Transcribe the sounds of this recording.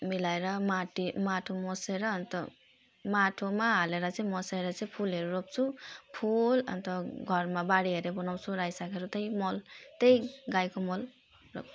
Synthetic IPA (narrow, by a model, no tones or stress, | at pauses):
milajɾʌmaʈimaʈʰomɔseɾʌːnt̪ʌ | maʈʰomaɦaleɾʌt͡simɔseɾʌt͡sẽpʰulɦeɾuɾop̚t͡sʰupʰulʌ̰nt̪ʌɡʱʌɾmabaɽiɦeɾebɔnawt͡sʰuɾajsakʰeɾot̪ʌjmɔlt̪ʌjɡajkomɔl | ɾo̰p̚ʰ